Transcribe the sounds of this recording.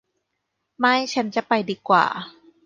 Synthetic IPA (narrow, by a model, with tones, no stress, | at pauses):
ma˥˩jt͡ɕʰa˦˥nt͡ɕa˨˩pa˧jdiː˧kwa̰ː˨˩